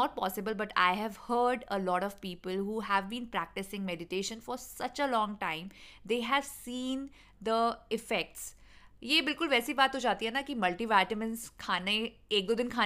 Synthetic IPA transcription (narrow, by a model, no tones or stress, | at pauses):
ɔːʈ̚pɔ̰ːsɪbəlbɐʈa̰ɪɦɛʋhəːɾɖəlɔːʈɔʋpiːpəlɦuːɦæʋbĩːnpɾæk̚ʈɪsɪ̃ŋmɛɖɪʈeːʃə̃nfɔːɾsɐt͡ʃəlɔ̃ːŋʈãɪ̃md̪eːɦɛʋsĩːn | d̪əɪfɛk̚ʈsjebɪlkʊlʋɛːsibaːt̪ɦod͡ʒaːt̪iɦɛnakimɐlʈiʋɛʈəmɪ̃nzkʰaːne | eːk̚d̪oːd̪ɪ̃nkʰaː